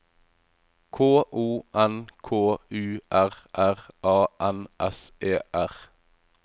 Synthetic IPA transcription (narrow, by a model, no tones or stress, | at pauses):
kʰoːʔuːʔɛnkʰoːʔʉːʔæʁʔæʁʔɑːʔɛnʔɛseːʔæʁ